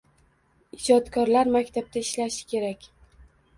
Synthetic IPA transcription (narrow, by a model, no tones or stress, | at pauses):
ɪd͡ʒɒt̪kʰɒɾlaɾmakʲt̪ʰab̚t̪ʰaɪʃlaʃɪ̥kʲe̞ɾakʲ